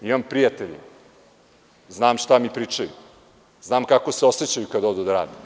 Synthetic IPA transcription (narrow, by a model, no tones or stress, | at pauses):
imampɾijat̪eʎḭ | znaːmʂt̪amipɾiːt͡ʂaju | znaːmkakoseo̞set͡ɕajukad̪od̪ud̪aɾa̰ːd̪e